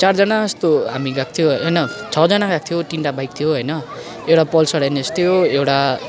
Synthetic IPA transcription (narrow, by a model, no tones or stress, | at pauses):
t͡sard͡zʌnaʌst̪oɦamiɡak̚t̪ʰijoɦɦʌjnʌt͡sʰʌd͡zʌnaɡak̚ʰt̪ʰijoʈinʈabajk̚t̪ʰijoɦojnʌ | ewʈapʌlsʌɽajnʌst̪ʰijoewʈa